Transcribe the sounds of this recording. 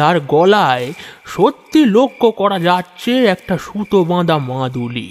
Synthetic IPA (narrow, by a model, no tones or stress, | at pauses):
aɾɡɔlaeʃot̪ːilokʰːokɔɾad͡ʑatːɕʰeɛk̚ʈaʃut̪obãd̪amãd̪ulḭ